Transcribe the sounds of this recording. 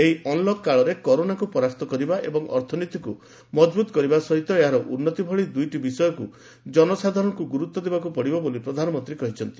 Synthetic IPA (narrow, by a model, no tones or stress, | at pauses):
eɦiɔnlɔkːaɭɔɾekɔɾonakupɔɾaɾt̪ɔkɔɾibaʔḛbɔŋɔ̰ɾt̪ʰɔnit̪iku | mɔd͡ʒbut̪ɔ̥kɔɾibasɔɦit̪ɔeɦaɾɔʔunːɔt̪ibʱɔɭid̪ujʈibisɔjɔku | d͡ʒɔnɔsad̪ʱaɾɔnɔkuɡuɾut̪ːɔd̪ebakupɔɽibɔbolipɾɔd̪ʱanɔmɔnt̪ɾikɔɦit͡ʃʰɔnt̪i